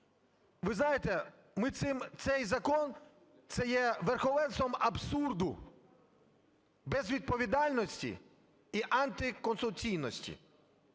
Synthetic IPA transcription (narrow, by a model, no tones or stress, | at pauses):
ʋɪznɑjet̪ɛ | mɪt̪sɪmt̪sɛjzɐkɔn | t̪sɛjɛʋerxɔlɛnst̪ʋɔmɐbsurd̪ʊ | bɛzʋʲid̪̚pɔʋʲid̪ɑlʲnɔsʲtʲḭ | iʔant̪ɪkɔnsʊt͡sʲijnɔsʲtʲḭ